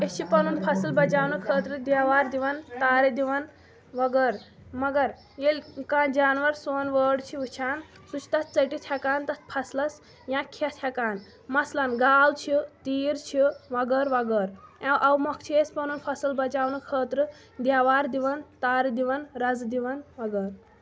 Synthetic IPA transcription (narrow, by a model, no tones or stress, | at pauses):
et͡ʃʰipɐnunpʰɐsɨlbɐt͡ʃaːwnɨkʰəːt̪ɾɨd̪jaːʋaːɾd̪iʋɐnt̪aːɾid̪iʋɐn | ʋɐɡəɾ | mɐɡɐɾ | jelʲkãːd͡ʒaːnʋɐɾsoːnʋəːɖt͡ʃʰiʋɨt͡ʃʰaːn | sut͡ʃʰi̥t̪ɐt̪t͡səʈit̪ʰakaːnt̪ɐt̪̚ʰpʰɐslɐs | jãkʰɐt̪ʰjakaːn | mɐslɐnɡaːlt͡ʃʰit̪iːɾt͡ʃʰiʋɐɡəɾʋɐɡəɾɛ̃wʔɐwmɐkʰt͡ʃʰeːspɐnunpʰɐsɨlbɐt͡ʃaːwnɨkʰəːt̪ɾɨ | d̪jaːʋaːɾd̪iʋɐnt̪aːɾid̪iʋɐnɾɐzd̪iʋɐnʋɐɡəɾ